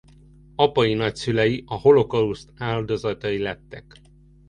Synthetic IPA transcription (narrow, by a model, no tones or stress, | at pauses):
ɒpɒjinɒcsylɛjiʔɒho̞lo̞kɒust̪aːld̪o̞zɒt̪ɒjilɛt̪ːɛk